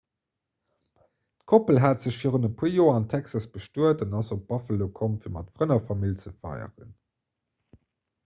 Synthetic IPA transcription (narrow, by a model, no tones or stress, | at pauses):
tkʰopəlɦaːtz̥əɕfiːʁənəpʰujoːɐɑntʰæksɑsb̥əʃtuətɑnɑzop̚b̥ɑfəlokʰomfiːɐmɑtfʁənɐfɑmilt͡səfɑ̰ɪə̰ʁə̰n